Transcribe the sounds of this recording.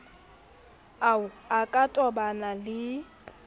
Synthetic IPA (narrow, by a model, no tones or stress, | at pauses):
aʊakʼatʼɔbanalɪ